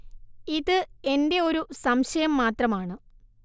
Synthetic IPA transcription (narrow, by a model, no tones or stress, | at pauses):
iðɨe̞nde̞o̞ɾusɐmɕɐjɐmːaːt̪rɐmaːɳɨ